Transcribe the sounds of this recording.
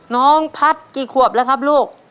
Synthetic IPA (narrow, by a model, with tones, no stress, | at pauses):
nɔː˦˥ŋpʰa˦˥˩t̪̚kiː˨˩kʰu˨˩əp̚lɛ˧˦˥kʰa˦˥p̚luː˥˩k̚